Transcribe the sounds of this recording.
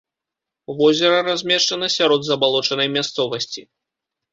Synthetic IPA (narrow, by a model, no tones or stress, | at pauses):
vɔzʲɛɾɐɾazʲmʲɛʂt͡ʂɐnɐsʲaɾɔd̪zɐbalˠɔt͡ʂɐnɐjmʲast̪sɔvɐsʲt͡sʲi